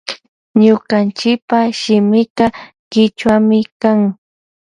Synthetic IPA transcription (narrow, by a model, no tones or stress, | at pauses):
ɲʊɢant͡ʃɪk̚paʃɪmɪkɑ | kɪt͡ʃwamɪkaŋ